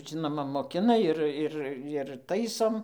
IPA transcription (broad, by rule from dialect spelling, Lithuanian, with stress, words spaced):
ˈʒʲɪnoːmɐ moːˈkʲɪnɐ ˈɪr ˈɪr ɪr ˈtɐɪsoːm